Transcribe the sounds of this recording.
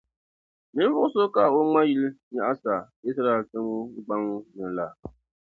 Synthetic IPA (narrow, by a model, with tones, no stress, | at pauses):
nɨ˦n˦vʊ˦ʔʊ˦so˦ka˦˨o˦ŋa˦ji˦lɲa˦ʔa˦sa˨ | i˦s̬ɾa˦ɛ˨ltɨ˦m̩˦ɡ͡ba˦ŋ˦nɨ˨la˨